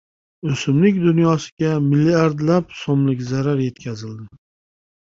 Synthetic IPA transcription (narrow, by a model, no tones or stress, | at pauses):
ɵsɪmlɪkʲd̪ʊnjɒsɪ̥ɡʲamɪlːiaɾd̪lapsɒmlɪkʲzaɾaɾje̞t̪kʲʰazɪld̪ɪ